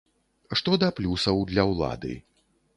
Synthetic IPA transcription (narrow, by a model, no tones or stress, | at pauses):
ʂt̪ɔd̪ɐplʲusɐwd̪lʲɐwlˠa̰d̪ɨ̰